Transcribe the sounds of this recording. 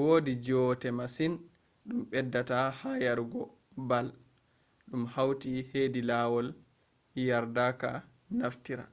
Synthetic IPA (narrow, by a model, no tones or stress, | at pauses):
woːdid͡ʒɔtɛmasin | ɗumɓɛdːatahajaɾɡɔ | bal | ɗumhawtiheːdilawɔl | jaɾdaka̰ | naftiɾa̰